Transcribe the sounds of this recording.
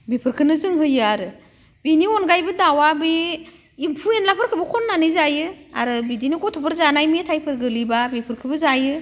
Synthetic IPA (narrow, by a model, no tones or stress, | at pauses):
bipʰɯɾkʰɯnɯzɯŋɦɯjɯaɾɯ | b̥iniɔnɡajbɯdawabe | impʰuenlapʰɯɾkʰɯbɯkʰɔnːanɯzajɯa̰ɾɯbidinɯɡɔtʰɔpʰɯɾzanajmetʰajpʰɯɾɡɯlibabipʰɯɾkʰɯbɯzajɯ